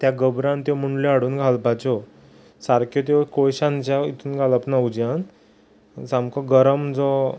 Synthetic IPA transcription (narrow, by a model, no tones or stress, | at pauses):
t̪jaɡəbɾãnt̪jɔmuɳɖleaɽuːnɡʱalbʱat͡ɕɔ | saɾkʰjɔt̪̬jɔkojɕãnt͡ɕait̪ʰuːnɡʱaləpnawd͡ʑjan | samkɔɡəɾəmd͡zɔ